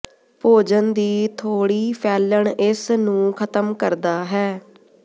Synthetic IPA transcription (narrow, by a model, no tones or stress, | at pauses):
poːd͡ʒənd̪iːt̪ʰoːɽiːpʰɛːləɳɪsnũːkʰət̪əmkəɾd̪aːɦɛː